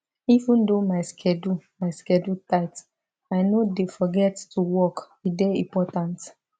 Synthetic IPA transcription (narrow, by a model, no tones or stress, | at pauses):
ivũndomaɪskʰɛdumaɪskɛdutaɪt | aɪnodefɔɡɛttuwɔk | ideĩpɔtãnt